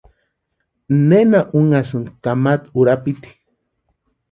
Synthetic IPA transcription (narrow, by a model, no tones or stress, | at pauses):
nenaʔuŋasɨnd̪kamat̪uɾapit̪i̥